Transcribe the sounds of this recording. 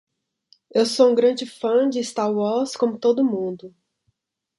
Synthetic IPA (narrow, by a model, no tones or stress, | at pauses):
ewsoũɡɾɐ̃d͡ʒɪfɐ̃d͡ʒɪst̪aɾwɔɾskõmʊt̪od̪ʊmũd̪ʊ